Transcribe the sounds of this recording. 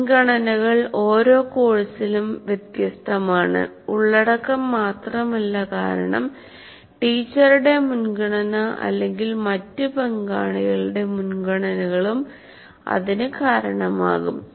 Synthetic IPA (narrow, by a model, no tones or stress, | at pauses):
ɡɐɳɐnɐɣɐɭo̞ːɾo̞ːkoːɻisilumʋjet̪jɐst̪ʰɐmaːɳɨ̰ | uɭːɐɽɐkːɐmːaːt̪rɐmɐlːɐka̰ːɾɐ̰ɳɐ̰m | ʈiːt͡ɕːɐrɨɽe̞munɡɐɳɐnɐʔɐ̰lːe̞ŋɡilmɐtːɨpeŋɡaːɳiɣɐɭɨɽe̞munɡɐɳɐnɐɣɐɭum | ɐ̰ðinɨkaːɾɐɳɐma̰ːɣum